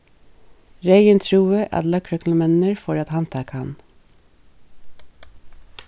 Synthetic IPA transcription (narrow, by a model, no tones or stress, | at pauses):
ɾeɪənt̪ʰɾuːəʔɑ̰t̪lɑkʰɾœkn̩əmɛnəɹfɔɾɑt̪hɑnt̪ʰɑːkɑn